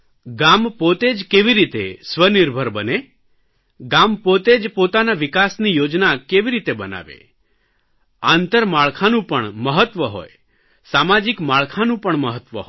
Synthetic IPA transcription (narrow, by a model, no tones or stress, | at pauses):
ɡampot̪ed͡ʒkeʋiɾit̪ḛsʋəniɾbʱəɾbəne | ɡampot̪ed͡ʒpot̪anaʋikasnijod͡ʒnakeʋiɾit̪ebəna̰ʋḛ | ant̪əɾmaɭkʰanũpəɳməɦət̪ːʋəɦo̰j | samad͡ʒikmaɭkʰanũpəɳməɦət̪ʋəɦo